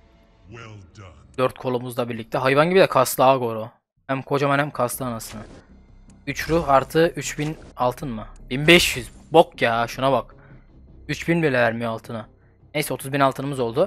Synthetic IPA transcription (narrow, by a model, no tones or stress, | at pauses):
d̪̥øɾt̪̚kʰo̞lˠumuzlˠabiɾlʲic̚t̪ɛɦajvanɟibid̪ɛkʰasˠɯaɡo̞ɾo | hæmkʰo̞d͡ʒamanhæmkʰaslˠɯanasɯnɯ | yt͡ʃɾuhaɾt̪ʰɯʔyt͡ʃbinalˠt̪ʰɯnmɯbinbɛʃjyzbokjaʃunabak | yt͡ʃbinbilʲɛvæɾmijoalˠt̪ʰɯna | nejsɛo̞t̪ʰuzbinalˠt̪ʰɯnɯmɯzo̞lˠd̪u